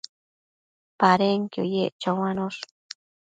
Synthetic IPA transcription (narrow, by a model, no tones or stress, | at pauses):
paɾeŋkjo̰jeʔt͡ʃawanoɬ